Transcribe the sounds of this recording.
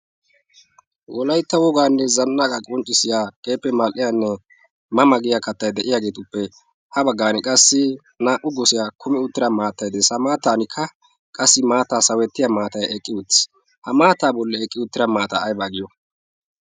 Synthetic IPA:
wɔlɐjt̪ːɐwɔɡaːnːɛzɐnːakʼɐkʼɔnt͡ʃʼːɪsɪjaːkʼeːpːɛmɐlʔɪjanːɛ | mɐmɐɡɪjakɐt̪ːɐjd̪ɛʔɪjaːɡe̞ːt̪ʊpːɛ | hɐbɐɡːaːnɛkʼɐsːɪ | naːʔʊɡɔsɪjakʰʊmɛʊt̪ːɪɾɐmaːt̪ːɐjd̪ɛsɐmaːt̪ːaːnɪkʰːɐ | kʼɐsːɪmaːt̪aːsɐwɛt̪ːɪjamaːt̪ɐjɛkʼːɪʊtːɪ̥ | hɐmaːt̪ːaːbɔlːɛɛkʼːɪʊt̪ːɪɾɐmaːt̪aːjbaɡɪjɔ

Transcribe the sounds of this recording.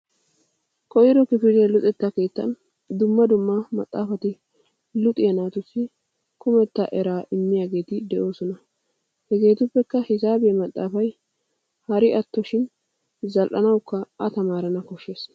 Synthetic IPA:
kʼɔjɪɾɔkɪfɪdɐlʊt̪ʼɛt̪ːɐke̞ːt̪ːɐ̰n | d̪ʊmːɐd̪ʊmːɐmɐ̰t̪ʼːaːfɐt̪ɪ | lʊt̪ʼɪjɐnaːt̪ʊsːɪ | kʊmɛt̪ːɐʔɛɾaːʔɪmːɪjaːɡe̞ːt̪ɪd̪ɛʔo̞ːsɔnɐ | hɛɡe̞ːt̪ʊpːɛkːɐhɪzaːbemɐt̪ʼːaːfɐj | hɐɾɪʔɐt̪ːɔʃɪn | zɐlʔɐnɐwkːɐɐt̪ɐmaːɾɐnɐkɔʃːe̞ːs

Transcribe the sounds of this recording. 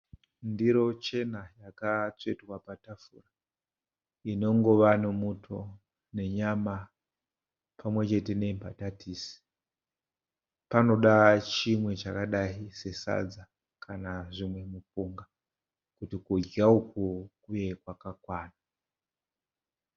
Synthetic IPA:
ndiɾo̞t͡ʃe̞najakat͡se̞twapatafṵːra | ino̞ŋɡo̞ʋanomutʰo̞ | ne̞ɲama | pʰamwe̞t͡ʃe̞te̞ne̞mpatatiːsi̥ | pano̞ɗat͡ʃimwe̞t͡ʃakaɗaise̞sa̰d͡za | kʰanaʐimwe̞mupuŋɡa | kutikud͡ʒaukukuje̞kwakakwaːna

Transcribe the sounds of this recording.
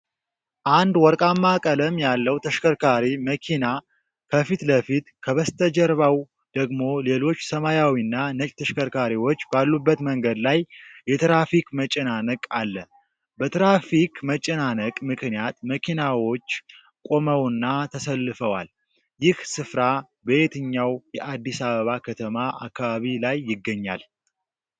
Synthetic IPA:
ʔand̪wɔɾkʼamːakʼələmjalːəwt̪ʰəʃkəɾkʰaɾiməkʰina | kʰəfit̪ləfit̪kʰəβəst̪ʰəd͡ʒəɾβaw | d̪̥əɡmo̞le̞lo̞t͡ʃːsəmajawinːanət͡ʃʼt̪ʰəʃkəɾkʰaɾiwo̞t͡ʃːbalːubːət̪məŋɡəd̪lajjːɛt̪ɾafikmət͡ʃʼɛnanəkʼalːə | bət̪ɾafikmət͡ʃʼɛnanəkʼmɨknijat̪məkʰinawo̞t͡ʃː | kʼo̞məwnːat̪ʰəsəlːɨfəwal | jɪhsɨfɾa | bəjet̪ʰɨɲːawjɛʔad̪ːisaβəβakʰət̪ʰəmaʔa̰kːaβaβilajːɪɡːəɲːa̰l

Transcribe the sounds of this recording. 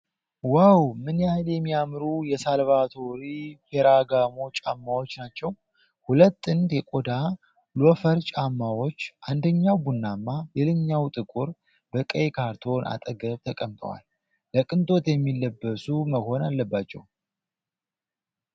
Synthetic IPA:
wawmɨnjahljɛmːijamɾujɛsalβat̪ʰo̞ɾifeɾaɡamo̞t͡ʃʼamːawo̞t͡ʃːnat͡ʃːɛw | hulət̪ːɨnd̪jɛkʼo̞d̪a | lofəɾt͡ʃʼamːawo̞t͡ʃːʔand̪əɲːawbunːamːalelɨɲːawt̪ʼɨkʼuɾ | bəkʼəjkʰaɾt̪ʰo̞nʔa̰t̪ʼəɡəβt̪ʰəkʼəmt̪ʼə̰wa̰lː | əkʼɨnt̪ʼo̞t̪jɛmːilːəbːəsuməho̞nalːəbːat͡ʃːɛ̰w

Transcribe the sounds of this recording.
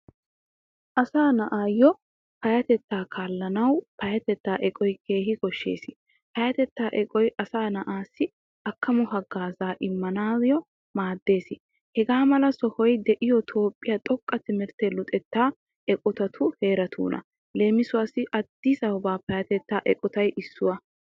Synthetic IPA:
ʔɐsaːnɐʔaːjːɔ | pɐjɐt̪ɛt̪ːaːkʰaːlːɐnɐwpɐjɐt̪ɛt̪ːaːʔɛkʼɔjke̞ːɦɪkɔʃːḛːsɪ̥ | pɐjɐt̪ɛt̪ːaːʔɛkʼɔjʔɐsaːnɐʔaːsːɪ | ɐkːɐmɔɦɐɡaːzaːʔɪmːɐnaːzɪjɔ | maːd̪ːe̞ːsɪ | hɛɡaːmɐlɐsɔhɔjd̪ɛʔɪjɔt̪ʰo̞ːpʼːɪjat̪ʼɔkʼːɐt̪ɪmɪɾt̪ɛlʊt̪ʼɛt̪ːaː | ʔɛkʼɔt̪ɐt̪ʰʊhe̞ːɾɐt̪ʰṵːnʔɐ̰ | le̞ːmɪsʊwaːsːɪʔɐd̪̥ːɪsɐwɔbaːpɐjɐt̪ɛt̪ːaːʔɛkʼɔt̪ɐjʔɪsːʊwɐ

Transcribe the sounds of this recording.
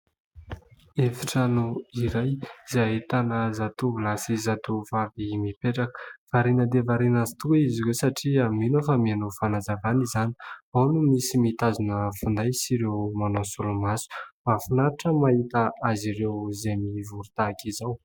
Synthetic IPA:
efiʈ͡ʂanuiɾajzaɦet̪anəzat̪uvulasizat̪uvavimipeʈ͡ʂakə̥v̥aɾinəd̪evaɾinazit̪uiziɾewsaʈ͡ʂiaminofamianofanazavanizaniawnumisimit̪azunəfund̪ajsiɾewmanosulumasu̥mafunaɾaʈ͡ʂəmaɦit̪aaziɾewzemivuɾut̪akizaw

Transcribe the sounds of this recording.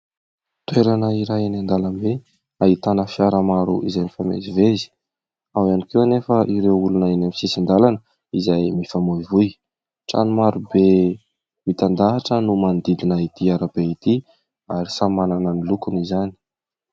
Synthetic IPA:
t̪weɾanəiɾajanand̪alambe | ait̪anəfiaɾəmaɾuʔizajnifamḛzivezi̥ | awanikewanefəʔiɾewulunaenamisisind̪alanə | izajmifamoivuj | ʈ͡ʂa̰numaɾube | mit̪and̪aʈ͡ʂənumand̪id̪inəit̪iaɾab̥eit̪i | aɾisamananənilukunizani̥

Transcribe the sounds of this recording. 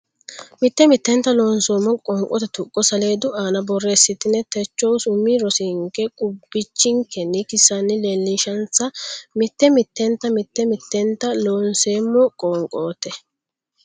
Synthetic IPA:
mɪt̪ːɛmɪt̪ːɛnt̪ːɐlo̞ːnsoːmːɔkʼɔːŋkʼɔt̪ɛt̪ʊkʼːɔsɐleːd̪ʊʔaːnɐbɔrːesːɪt̪ɪnːɛt̪ɛt͡ʃːɔwsʊmːiɾɔsɪŋkɛkʼʊbːɪt͡ʃːɪŋkɛnɪkɪsːɐnːɪlelːɪʃɐnt͡sːɐmɪt̪ːɛmɪt̪ːɛnt̪ːɐmɪt̪ːɛmɪt̪ːɛnt̪ːɐloːnseːmːɔkʼoːŋkʼo̞ːt̪ɛ

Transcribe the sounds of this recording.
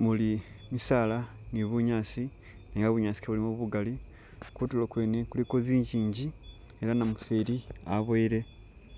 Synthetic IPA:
muli | misaːlaniβuɲaːsi | neːŋɡaβuɲaːsi̥keβulimuβuɡali | kutulokwe̞ːnekulikoziːɲɟiːɲɟi | eɾanamufeɾiaβoiɾe̞

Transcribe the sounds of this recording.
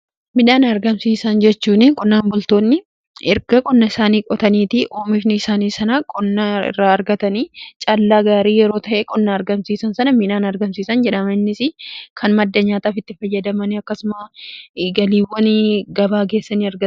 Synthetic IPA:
mɪᶑaːnɐɾɡɐmsiːsɐnd͡ʒɛt͡ʃːuːnɪkʼʊnːaːmbʊlt̪o̞ːnːɪ | ɛɾɡɐkʼɔnːɐɪsaːniːkʼɔt̪ɐniːt̪ɪʔo̞ːmɪːfnɪɪsaːniːsɐnakʼʊnːɐɪ̰rːaːɐɾɡɐt̪ɐniːt͡ʃʼɐlːaːɡaːɾiːjɛɾo̞ːt̪ɐʔeːkʼɔnːɐɐɾɡɐmsiːsɐnsɐnɐmɪᶑaːnɐɾɡɐmsiːsɐnd͡ʒɛᶑɐmɐɪnːɪsɪkʰɐnmɐd̪ːɐɲaːt̪aːfɪt̪ːɪfɐjːɐd̪ɐmɐnɪɐkːɐsʊmɐ | ɡɐliːwːɔnɪɡɐbaːɡe̞ːsːɐniːɐɾɡɐ

